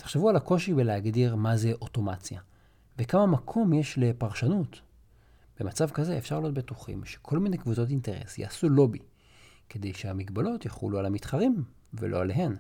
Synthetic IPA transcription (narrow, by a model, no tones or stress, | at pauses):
te̥χʃevualako̞ʃibeleaɡdiʁmazeʔo̞to̞mat͡sja | vekamamakʰo̞mje̞ʃle̞paʁʃanut | b̥e̞mat͡savkazeːfʃaʁlijotbet̪uχḭmʃe̥kʰo̞lmine̞jkvut͡so̞tinte̞ʁe̞̰sja̰ːsulo̞bi | ke̞d̪e̞jʃehamiɡbalo̞tjaχṵlualamitχaʁim | vḛlo̞̰aleɦe̞n